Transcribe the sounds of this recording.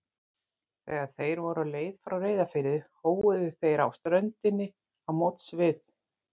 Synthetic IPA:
θɛɣaðθejɾvɔɾaleːjðfɾawreːjðafɪɾðɪhoːwʏðʏθejɾawst̪ɾœnt̪ɪnːɪ | awmowt̪svɪθ

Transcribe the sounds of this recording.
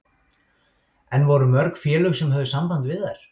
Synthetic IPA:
ɛnvɔɾʏmœɾkfjɛːlʏɣsɛmɦœvðʏsampant̪vɪðθɛɾ̥

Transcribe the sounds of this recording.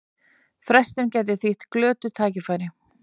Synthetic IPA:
fɾɛst̪ʏncɛːjt̪̬ɪθiht̪klœːt̪ʏt̪ʰaːcɪfaːjɾɪ

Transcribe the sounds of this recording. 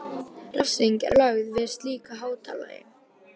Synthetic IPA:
rafsiŋkɛ̰ɾlœɣðvɪðst̪liːkaɦaːwt̪ʰa̰ːla̰jɪ̰m

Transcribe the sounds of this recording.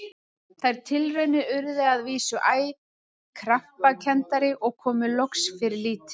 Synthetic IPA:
θajɾ̥t̪ʰɪlrœɥnʏʔʏɾðɪaðviːsʏʔaːj | kʰɾahpacʰɛnt̪aɾɪʔɔɣkʰɔːmʏlɔksfɪɾɪɾliːt̪

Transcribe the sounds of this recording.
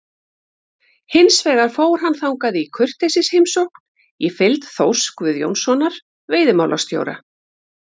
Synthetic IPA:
hɪnsvɛɣaɾ̥foːwɾ̥hanθawŋkaðɪikʰʏr̥t̪esɪshejmsowhkn | jɛfɪlt̪θow̥skvʏðjo̰wnsɔnaɾ̥ | veːjðɪmawlʔast̪jo̰wɾa̰

